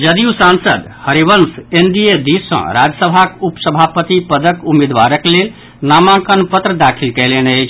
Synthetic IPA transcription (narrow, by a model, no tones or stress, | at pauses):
d͡ʒəd̪iusãnsəd̪həɾibənsend̪ijed̪isə̰̃ɾad͡ʒəsəbʱakupsəbʱapət̪ipəd̪əkumed̪ʋaɾəklel | namãkənpət̪ɾəd̪akʰilkɛlenəjt͡ʃʰ